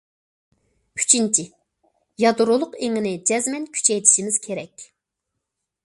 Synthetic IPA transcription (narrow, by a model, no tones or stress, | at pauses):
kʲʰy̥t͡ʃʰint͡ʃʰi | jɑd̪uɾolˠʊqeŋɪnɪd͡ʒɛzmɛnkʲʰy̥t͡ʃʰɛjt̪ʰi̥ʃimɪz̥kʲʰeɾɛkʲ